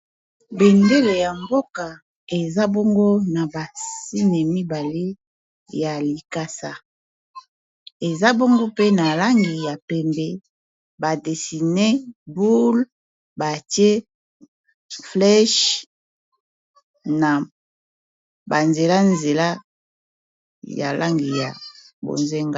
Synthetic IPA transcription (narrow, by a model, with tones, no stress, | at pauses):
be˨mde˦le˨ja˨mbo˦ka˨ | e˨za˦bo˦ŋɡo˦na˨ba˨si˦ne˨mi˦ba˨le˦ | ja˨li˨ka˦sa˦ | e˨za˦bo˦ŋɡo˦pe˦na˨la˦ŋɡi˨ja˨pɛ˨mbe˨ | ba˨de˨si˨ne˦bu˦l | ba˨tje˦ | flɛ˦ʃ | na˨ | ba˨nze˨la˦nze˨la˦ | ja̰˨lʔa˦ŋɡi˨ja˨ | bo̰˨nze˦ŋɡa˦